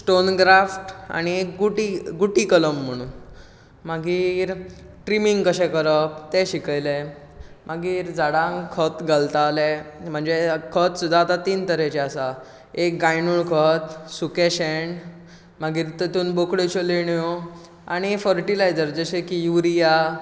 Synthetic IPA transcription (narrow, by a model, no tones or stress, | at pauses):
sʈonɡɾafʈa̰ɽ̃iekɡuʈiɡuʈikələm̤ːəɽ̃uːn | maɡiːɾ | ʈɾimiŋɡkəɕɛ̃kəɾəpt̪eɕikəjle | maɡiːɾd͡zaɽãŋkʰət̪ɡəlt̪alem̤əɳd͡zekʰət̪sud̪ʱːaːt̪at̪iːnt̪əɾet͡ɕeasa | ekɡajnuːɭkʰət̪sukeɕeɳ | maɡiːɾt̪et̪uːnbokɽet͡ɕoleɳjo | a̰ɽ̃ifəɾʈilajd͡zəɾd͡zəɕekijuɾija